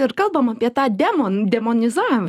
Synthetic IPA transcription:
ɪɾkɐlˠbɐmɑːpʲiɛt̪ɑːd̪ʲɛmond̪ʲɛmɔnʲɪzɑːʋʲɪmɐ

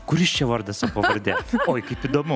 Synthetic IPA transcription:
kʊɾʲɪsʃt͡ʃʲɛʋɐɾd̪ɐsɐpɐvɐɾʲd̪ʲɛoːjkɐɪpiːd̪oːmʊ

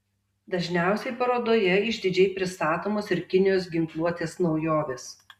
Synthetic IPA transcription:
d̪ɐʒʲnʲæˑʊsʲɛɪpɐɾoːd̪oːjɛɪʒʲd̪ʲɪd͡ʒʲɛɪpʲɾʲɪst̪ɑːt̪oːmoːsɪɾkʲɪnʲɪjoːsɡʲɪŋklˠuɔt̪ʲeːsnɒʊjoːʋʲeːs

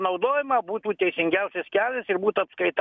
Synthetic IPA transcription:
nɐʊd̪oːjɪmɑːbuːt̪uːt̪ʲɛɪsʲɪŋʲɡʲæʊsʲeskʲæːlʲesɪɾbuːt̪ɐpskɐɪt̪

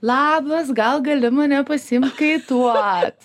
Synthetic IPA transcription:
lˠɑːbɐs̬ɡɐlˠɡɐlʲɪmɐnʲɛpɐsʲɪɪmkɐɪt̪uɔt̪

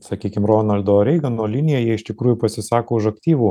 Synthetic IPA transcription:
sɐkʲiːkʲɪmroːnɐlʲd̪oːɾʲɛɪɡɐnoːlʲɪnʲɪjɛjiɛɪʃʲt̪ʲɪkɾuːjʊpɐsʲɪsɑːkoːʊʃɐkt̪ʲiːʋuː

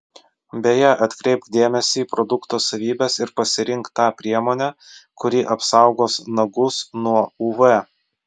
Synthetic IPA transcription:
bʲejɛʔɐt̪ʲkɾʲɛɪp̪d̪ʲeːmʲɛsʲiːpɾɔd̪ʊkt̪oːsɐʋʲiːbʲesɪɾpɐsʲɪɾʲɪŋˑkt̪ːɑːpʲɾʲiɛmoːnʲæːkʊɾʲiʔɐpsɑˑʊɡoːsnɐɡʊsnuɔuːʋɛ

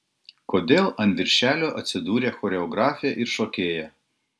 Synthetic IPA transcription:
koːd̪ʲeːlˠʔɐnʲt̪ʋʲɪɾʲʃʲæːlʲoːʔɐt̪ʲsʲɪd̪uːɾʲeːxɔːɾʲɛɔɡɾɑːfʲɪjɛʔɪɾʃoːkʲeːjɛ

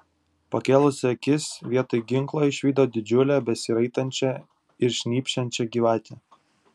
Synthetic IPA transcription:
pɐkʲeːlˠʊsʲɐkʲɪsʋʲiɛt̪oɪɡʲɪŋklˠɐɪʃʲʋʲiːd̪oːd̪ʲɪd͡ʒʲʊlʲæːbʲɛsʲiɾɐɪt̪ɐnʲt͡ʃʲɛ | ɪɾʃʲnʲiːpʲʃʲɛnʲt͡ʃʲɛɡʲiːʋɑːt̪ʲe

